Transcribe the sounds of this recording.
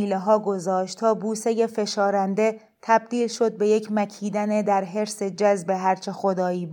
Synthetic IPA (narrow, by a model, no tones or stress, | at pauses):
iːleɦɒːɡo̞zɒːʃt̪t̪ʰɒːbuːseje̞fe̞ʃɒːɾænd̪e̞ | t̪ʰæb̚d̪iːlʃo̞d̪̚be̞je̞cʰmæcʰiːd̪æned̪æɾɦe̞ɾse̞d͡ʒæzbe̞ɦæɾt͡ʃʰe̞xod̪ɒːiːb